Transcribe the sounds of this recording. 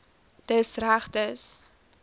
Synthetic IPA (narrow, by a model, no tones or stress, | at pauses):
d̥əsræχtəs